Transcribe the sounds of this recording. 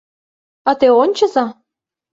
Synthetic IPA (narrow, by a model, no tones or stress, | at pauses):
ɑt̪eonʲt͡ɕɤ̆zɑ